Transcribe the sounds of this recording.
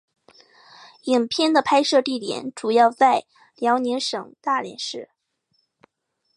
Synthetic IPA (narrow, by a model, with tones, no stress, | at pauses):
i˨˩ŋpʰjɛ˥˩nd̪ə˨pʰa˥ɪʂɤ˥˧t̪i˥˩t̪jɛ̰˨˩˦nʈ͡ʂu˨˩jɑ˥˧ʊt͡sa˥˩ɪ | ljɑ˧˥ʊni˧˥ŋʂɤ˨˩˦ŋt̪a˥˩ljɛ̰˧˥nʂɻ̩˥˩